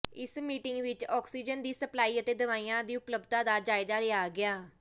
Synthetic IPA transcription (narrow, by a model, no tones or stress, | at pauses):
ɪsmiːʈɪŋɡʋɪt͡ʃɔːksiːd͡ʒənd̪iːsəplaːiːət̪eːd̪əʋaːiːjãːd̪iːʊpləbd̪ãːd̪aːd͡ʒaːɪd̪aːɾeːaːɡɪaː